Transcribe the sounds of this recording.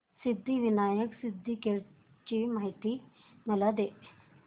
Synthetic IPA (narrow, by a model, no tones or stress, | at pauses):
sɪd̪ʱːiʋɪnaːjəksɪd̪ʱːikeɾ | t͡ʃimaːɦit̪i | mɐlad̪e